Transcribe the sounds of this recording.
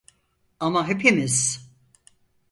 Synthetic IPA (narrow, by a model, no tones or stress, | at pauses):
amaɦepʰimiz̥